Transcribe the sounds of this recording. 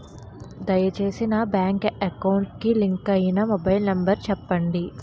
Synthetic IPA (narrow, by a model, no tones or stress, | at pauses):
d̪ɐjɐt͡ʃe̞ːsinɐbaːŋkɐkɐwɳʈkiliŋkɐjinɐmɔbɐjlnɐmbɐɾt͡ʃɛpːɐɳɖi